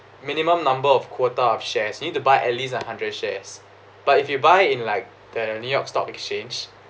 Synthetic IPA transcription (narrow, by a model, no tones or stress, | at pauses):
mĩnimə̃mnãmbəɔfkʰwɔtəɔfʃɛsjunit̚tubaɪʔɛtlis̬ãhãndɹədʃɛs | b̥atifjubaɪɪ̃nlaɪk̚ | d̥ənjujɔkstɔ̰pɛkst͡ʃẽnd͡ʒ